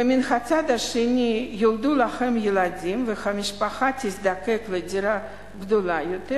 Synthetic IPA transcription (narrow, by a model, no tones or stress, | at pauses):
mʲinχat͡sad̪aʃenʲijilˠd̪ulaxemjeladʲimvexamʲiʃpaχat̪izd̪akekledʲiɾa | ɡd̪olajot̪ɛ